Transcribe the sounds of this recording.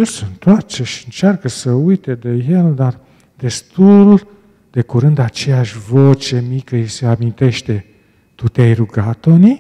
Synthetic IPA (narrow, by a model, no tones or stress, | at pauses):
jelsəɨnt̪oart͡ʃeʃiɨnt͡ʃarkəsəujt̪ed̪e̞je̞ld̪ar | d̪̥e̞st̪ul | d̪e̞kuɾɨnd̪at͡ʃe̞jaʃʲvo̞t͡ʃe̞mikəise̞amint̪e̞ʃt̪e̞ | t̪ut̪eajruɡat̪oni